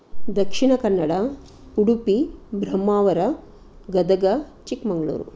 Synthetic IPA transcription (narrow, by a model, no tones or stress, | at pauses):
d̪ɐkʂiɳɐkɐnːɐɽɐ | uɽupibʱɾɐmːaːʋɐɾɐ | ɡɐd̪ɐɡɐt͡ʃikmɐŋɡɐɭṵːɾṵ